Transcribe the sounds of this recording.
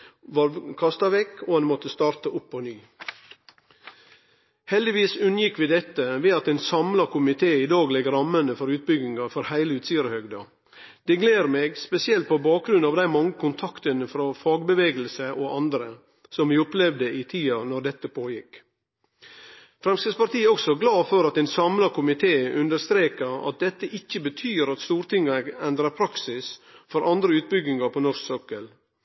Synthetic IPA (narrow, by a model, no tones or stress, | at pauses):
ʋɑɾkʰɑst̪ɑʋɛkʰːoːhɑnmɔt̪ːəst̪ɑːɾt̪əʔʊpːɔnyː | hɛld̪ɪʋiːsʉnjɪkːʋiːd̪ɛt̪ːəʋeːɑt̪eːnsɑmlɑkʰʊmɪt̪ʰeːɪd̪ɑːɡlɛɡɾɑmːənəfɔɾʉːt̪̚bʏɡɪŋɑfɔɾhæɪləʉːt̪siːəɾəhœɡd̪ɑ | d̪̥ɛɡleːɾmeːɡspɛsɪɛlt̪̚pʰobɑːk̚ɡɾʉnɑːʋd̪æɪmɑŋːəkʰʊnt̪ʰɑkt̪ənəfɾɑfɑːɡbəʋeːɡəlsəʔɔʔɑnd̪ɾə | sɔmʋɪːɔplɛʋd̪əʔɪt̪ʰiːɑnɔɾɖ̪ɛt̪ːəpʰoːjɪk | fɾɛmsəspɑɾt̪iːɔksɔɡlɑːfɔɾɑt̪ɛːnsɑmlɑkʰʊmɪt̪ʰeːʔʉnd̪əɾst̪ɾeːkəɾɑ̰t̪̚d̪ɛt̪ːəʔɪçːəbət̪ʰyːəɾɑt̪st̪uːɾt̪ɪŋːɑɛnd̪ɾəɾpʰɾɑksɪsfɔɾɑnd̪ɾəʉːt̪̚bʏɡɪŋɑpʰɔnɔʂksɔkəl